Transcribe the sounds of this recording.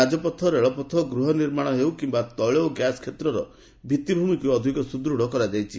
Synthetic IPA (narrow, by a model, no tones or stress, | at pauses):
ad͡ʒɔpɔt̪ʰːɔɾeɭɔpɔt̪ʰɔɡɾuɦɔniɾmaɽ̃ɔɦewkimbat̪ɔɭooɡjaskʰet̪ɾɔɾɔ | bʱit̪ːibʱumikuɔd̪ʱikɔsud̪ɾuɽ̤ɔkɔɾad͡ʒajt͡ʃʰi